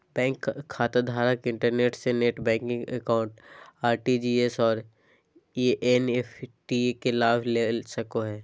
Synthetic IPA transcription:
bɛ̃ːŋkʰːaːt̪ad̪ʱaːɾəkɪ̃ɳʈəɾneːʈseneːʈbɛ̃ːŋkŋə̰kaːʊ̃ɳʈaːɾʈid͡ʒiːesɔːɾ | iʔenefʰʈikelaːʋlesəkoɦɛː

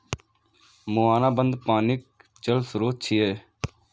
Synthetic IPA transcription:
moːaːnãːbənd̪paːnɪk̚t͡ʃəlsɾoːt̚t͡ʃʰiːeː

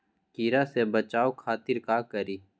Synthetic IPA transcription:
kiːɾasebət͡ʃaːokʰaːt̪ɪɾkakəɾiː

